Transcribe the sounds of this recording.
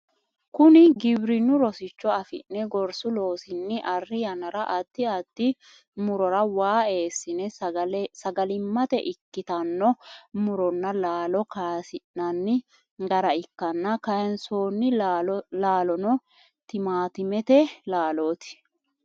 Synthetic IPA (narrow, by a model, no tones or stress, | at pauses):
kʊnɪɡɪbɾɪnːʊɾɔsɪt͡ʃːɔɐfɪ̰nːɛɡɔɾsʊlo̞ːsɪnːɪʔɐrːɪjɐnɐɾɐʔɐd̪̥ːɪɐd̪̥ːɪ | mʊɾɔɾɐwaːe̞ːsːɪnɛlsɐɡɐlɪmːɐt̪ɛ̰ʔɪkːɪt̪ɐnːɔmʊɾɔnːɐlaːlɔkaːsɪʔnɐnːɪ | ɡɐɾɐɪkːɐnːɐkɐjɛnsoːnːɪlaːlɔnɔ | t̪ɪmaːt̪ɪmɛt̪ɛlaːlo̞ːt̪ɪ̥